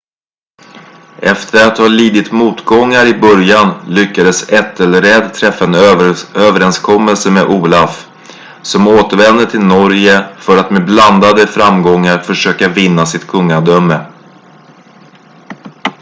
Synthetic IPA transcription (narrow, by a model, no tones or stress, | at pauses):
ʔɛft̪ʰəɾat̪haliːd̪ɪt̪muːt̪ɡɔŋːaɾɪbœɾjanlʏkːad̪əsɛt̪ʰːɛləɾɛd̪t̪ʰɾɛfːaɛnøːvəɾɛnskʰɔmːɛlsəmeʔuːlaf | sɔmoːt̪əɾvɛnd̪əʈ̪ʰɪlnɔɾjəfœɾat̪mebland̪ad̪əfɾamɡɔŋːaɾfœʂøːkavɪnːasɪt̪kʰɵŋːaɖ̪œmːə